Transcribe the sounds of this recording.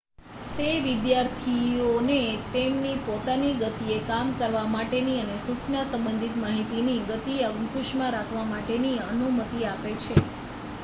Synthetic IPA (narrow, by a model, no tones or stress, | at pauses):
t̪eʋid̪jaɾt̪ʰionet̪emnipot̪aniɡət̪iekamkəɾʋamaʈeniənesukʰnasə̃mbənd̪ʱit̪maɦit̪iniɡət̪iəɡnkuʃmãɾakʰʋamaʈeniənumət̪iapet͡ʃʰe